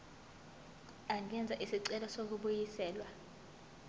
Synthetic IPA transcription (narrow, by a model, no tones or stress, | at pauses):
aŋʱɛnd͡zʱaʔisiǀɛlɔsok̬uɓujisɛːlwa